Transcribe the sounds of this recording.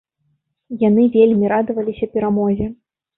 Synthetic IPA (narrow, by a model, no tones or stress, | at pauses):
janɨvʲelʲmʲiɾad̪ɨvɐlʲisʲɐpʲɛɾamɔzʲɛ